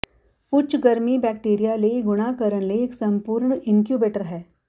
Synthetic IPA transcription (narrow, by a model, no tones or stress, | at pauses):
kʊt͡ʃɡɐɾmibɛːkʈeːɾijaleɡʊɽ̃akəɾəñleeksɐ̃mpuːɾɳɪnkjuːbeːʈəɾɦɛː